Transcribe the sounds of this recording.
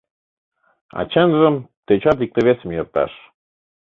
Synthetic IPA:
ɑ̰t͡ɕənʒə̆mt̪et͡ɕɑt̪̬ik̚t̪ə̆βesə̆mjɤrt̪ɑ̰ʃ

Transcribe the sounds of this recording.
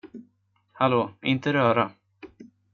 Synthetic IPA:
haloːɪnt̪əɾœːɾa

